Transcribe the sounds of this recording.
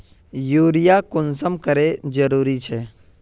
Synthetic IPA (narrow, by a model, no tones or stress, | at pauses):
juːɾɪjakʊnsəmkəɾed͡ʒəɾuːɾit͡ʃʰɛː